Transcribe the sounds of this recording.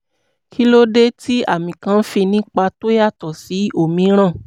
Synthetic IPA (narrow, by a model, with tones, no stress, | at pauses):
kʰi˦lo˦de˦ti˦a̰˦˨mĩ˨kã˧n̩˦fi˧nĩ˦k͡pa˧to˦ja˦˨tɔ˨si˨˦o˦˨mĩ˧˦ɾ̃ã˦˨